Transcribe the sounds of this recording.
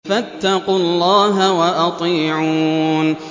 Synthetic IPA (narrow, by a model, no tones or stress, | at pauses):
fat̪ːɑqulːɑːɦawaʔɑt̪ˤiːʕuːn